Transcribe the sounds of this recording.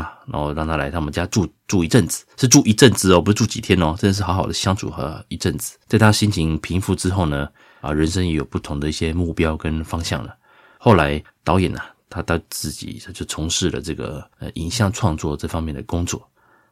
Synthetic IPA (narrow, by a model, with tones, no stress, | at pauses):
na˧˥ŋxo˥˧ɻɑ˥˩ŋt̪ʰa˥la˧˥ɪa˥mə˨t͡ɕja˥ʈ͡ʂu˥˧ʈ͡ʂu˥˩i˧˥ʈ͡ʂə˥˩nd͡zɹ̩˨˩ʂɻ̩˥˧ʈ͡ʂu˥˩ʔi˧˥ʈ͡ʂə˥˩nt͡sɹ̩˥ɔ˨˩pu˧˥˧ʈ͡ʂu˥˩t͡ɕi˨˩t̪ʰjɛ˦˥nɔ˨˦ʈ͡ʂndə˩ʂ̬ɻ̩˥˩xɑ˧˥xɑ˨˩ʊd̪ə˦˩ɕjɑ˥ŋt͡sʰṵ˨˩xɤ̰˧˥˦i˧˥ʈ͡ʂə˥˩nd͡zɹ̩˨˩t͡sa˥˩ɪt̪ʰa˥ɕi˥nt͡ɕʰi˧˥ŋpʰi˧˥ŋfu˥˩ʈ͡ʂɻ̩˥xo˥˩ʊnə˩ | ə˧ɻə˧˦nʂ̬ə˥ŋjɛ˧˥jo˨˩ʊpu˥˩t̪ʰʊ˧˥ŋd̪ə˨i˥˩ɕjɛ˦mu˥˩pjɑ˥ʊkə˦nfɑ˥ŋɕjɑ̰˥˩ŋlə̰˩ | xo˥˩ʊla˧˥ɪt̪ɑ˧˥ʊjɛ̰˨˩nɐ˨t̪ʰa˥t̪ɑ˥˧t͡sɹ̩˥˩t͡ɕḭ˨˩a˥t͡ɕjo˥˩ʊt͡sʰʊ˧˥ŋʂɻ̩˥˩lə̰˨˩ʈ͡ʂɤ˥˩ɡə̰˩ə̰˧˩ʔḭ˨˩nɕjɑ˥˧ŋʈ͡ʂʰwɑ˥˧ŋt͡swɔ˥˧ʈ͡ʂɤ˥˩fɑ˥ŋmjɛ˥˩nd̪ə˩kʊ˥ŋt͡swɔ̰˥˩